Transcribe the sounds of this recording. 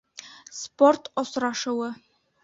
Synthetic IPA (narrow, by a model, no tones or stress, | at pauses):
sport̪osɾɑʃɤ̆wɤ